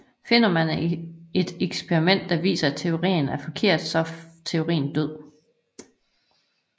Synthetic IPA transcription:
fe̝nɐmæne̝d̥eɡ̥spʰeʁimen̰d̥ːɑ̈ʋḭːsɐæt͡sʰe̝o̝ʁḭːn̩æɐfɒ̽kʰe̝ɐ̰d̥sɒ̽t͡sʰe̝o̝ʁḭːn̩d̥øð̰ˠ

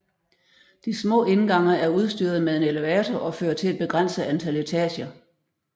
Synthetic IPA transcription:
d̥ismɔ̰̽ːe̝nɡ̥ɑ̈ŋ̰ɐæɐuð̞ˠsd̥yːɐðˠmeðˠe̝neleæːt͡sʰɒʔɒ̽føːɐt͡sʰe̝læd̥̚b̥e̝ɡ̥ʁɑn̰səænt͡sʰælet͡sʰɛːɕɐ

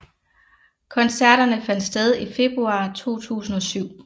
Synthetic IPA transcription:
kʰɒ̽nsæɐɾ̥ɐnəfæn̰d̥sd̥eð̞ˠife̝b̥ʁuɑ̈ːt͡sʰo̝̰ːt͡sʰṵːsn̩ɒ̽syʊ̰

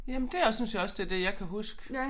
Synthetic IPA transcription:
jæmənd̥e̝æsynsjɑɒ̽sd̥e̝d̥e̝jɑɪkʰæɦusɡ̥ə

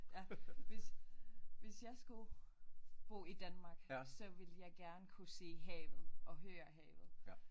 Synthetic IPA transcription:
jæʋe̝s | ʋe̝sjɑ̈ɪsɡ̥u | b̥o̝̰ːid̥ænmɑ̈ːɡ̥sɒ̽ʋe̝ləjɑ̈ɪɡ̥æɐnəkʰuse̝̰ːɦɛ̰ːʋð̩ˠʔɒ̽ɦøːɐɦɛ̰ːʋð̩ˠ

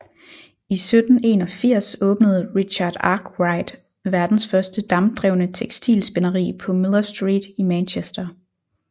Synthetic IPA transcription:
isød̥n̩e̝ːnɒ̽fiɐ̰sɔ̽ːb̥nəð̞̩ˠʁiɕɑ̈d̥ɑ̈ɡ̥ʁɑ̈ɪd̥ | ʋæɐd̥n̩sfɶɐsd̥əd̥ɑ̈md̥ʁɛʊnət͡sʰeɡ̥sd̥ḭːlsb̥e̝nɐʁḭːpʰɒ̽melˠɐsd̥ʁḭːd̥imænɕesd̥ɐ

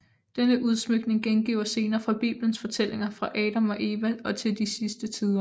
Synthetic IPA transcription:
d̥enəʔuð̞ˠsmøɡ̥ne̝ŋɡ̥enɡ̥ḭʊ̰ɐse̝ːnɐːfʁɑ̈b̥ḭːb̥lənsfɒ̽t͡sʰel̰ʔe̝ŋɐfʁɑ̈ʔɛːɾ̥æmɒ̽ʔe̝ːʋæɒ̽t͡sʰe̝ld̥isisd̥ət͡sʰiːð̞ˠɐ

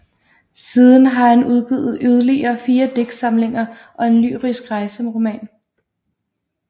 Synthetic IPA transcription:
siːð̞ˠən̩ɦɑ̈hænuðˠɡ̥iðˠð̩ˠyð̞ˠɐliɐːfiːɐd̥eɡ̥sɑ̈mle̝ŋɐ | ʔɒ̽e̝nly̰ːʁisɡ̥ʁɑ̈ɪsəɒmʁo̝mɛ̰ːn

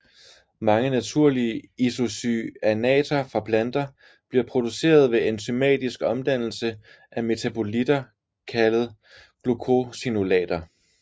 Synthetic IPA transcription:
mɑ̈ŋənæt͡sʰuɐ̰liəiso̝syænɛ̰ːt͡sʰɐfʁɑ̈pʰlænd̥ɐ | b̥liɐpʰʁo̝d̥use̝̰ːɐð̞ˠʋe̝e̝nt͡sʰymɛ̰ːd̥isɡ̥ɒ̽md̥æn̰l̩sə | ʔæme̝t͡sʰæb̥ʰo̝lid̥ɐ | kʰælð̩ˠ | ɡ̥lukʰo̝sinulɛ̰ːd̥ɐ

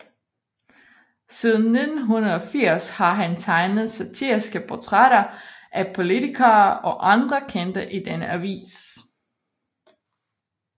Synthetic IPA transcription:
sið̞ˠn̩ːe̝d̥n̩ɦunɐð̞̩ˠɒ̽fiɐ̰shɑ̈ɦænt͡sʰɑ̈ɪnð̞̩ˠsæt͡sʰiɐ̰isɡ̥əpʰɒt͡sʰʁaɾɐʔæpʰo̝lit͡sʰikʰɐːɒ̽ʔɑ̈nd̥ʁɐkʰend̥ɐʔid̥enəʔæʋḭːs

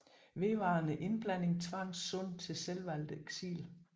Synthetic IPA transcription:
ʋe̝ʋɑ̈ːnəʔe̝nb̥læn̰e̝ŋt͡sʰʋɑ̈ŋ̰sɔn̰̚t͡sʰe̝lselʋæl̰d̥əeɡ̥sḭːl

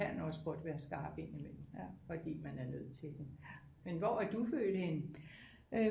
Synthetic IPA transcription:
ænɒ̽sb̥ɒd̥ʋæːɐsɡ̥ɑ̈ːb̥e̝nimenmfɒ̽d̥ḭːmænæɐnøð̞̰ˠt͡sʰe̝ld̥e | menʋɒæɐd̥uføːd̥əhe̝nə | ø

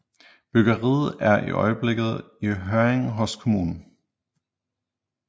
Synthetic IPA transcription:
b̥yɡ̥əʁḭːð̩ˠæɐʔḭʔɒ̽ɪəb̥le̝ɡ̥ð̞̩ˠ | iɦøɐeŋ̩ɦɔ̽skʰo̝muːnn̩

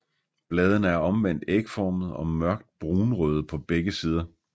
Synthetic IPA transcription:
b̥lɛːð̞ˠənəæɐɒ̽mʋen̰d̥eɡ̥əfɒːmð̞̩ˠɒ̽mɶɐ̰ɡ̥̚d̥̚b̥ʁuːnʁøð̞̩ˠpʰɒ̽b̥eɡ̥əsiːð̞ˠɐ

